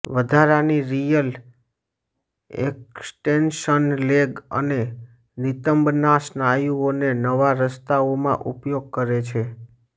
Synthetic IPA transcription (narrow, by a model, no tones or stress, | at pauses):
ʋəd̪ʱaɾaniɾijəl | ḛksʈenʃənleɡə̰ne | nit̪əmbnasnajuonenəʋaɾəst̪aomãʔupjoɡ̚kəɾet͡ʃʰe